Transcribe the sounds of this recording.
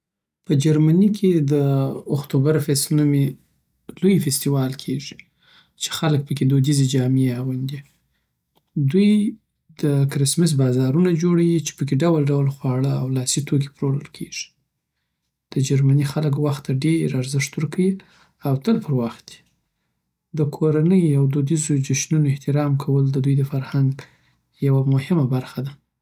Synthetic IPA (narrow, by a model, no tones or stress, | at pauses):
pəd͡ʒaɾmanikʰed̪əʊxt̪ubaɾafesnume | lojfest̪iwɑlkʰeʐi̥ | t͡ʃe̥xalək̚pəked̪od̪ized͡ʒɑmeawand̪i | d̪uj | d̪̥əkɾɪsmɪs̬bɑzɑɾunad͡ʒoɽawit͡ʃe̥pəkeɖawalɖawlxwɑɽəawlɑsit̪ʰok̬e̥pɾoɾə̰lkʰeʐ̥i̥ | d̪̥əd͡ʒaɾmanixalək̬waxt̪ːaɖeɾaɾzɪʂt̪wəɾkawi | awt̪əlpəɾwaxt̪̚d̪i̥ | d̪əkʰoɾanəjawd̪od̪izod͡ʒaʃnunoɪht̪ɪɾɑmkʰawəld̪əd̪ujd̪əfaɾhaŋɡ | jawamʊhɪmabaɾxad̪a